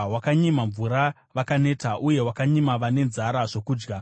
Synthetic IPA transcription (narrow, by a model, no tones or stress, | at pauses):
wakaɲimaɱvuɾa | ʋakane̞ːtaʔuje̞wakaɲimaʋane̞nzaɾaʐo̞kuːd͡ʒɡa